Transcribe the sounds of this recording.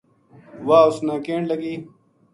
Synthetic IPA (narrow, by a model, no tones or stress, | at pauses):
waːʊsnãːkeːɳlɐɡiː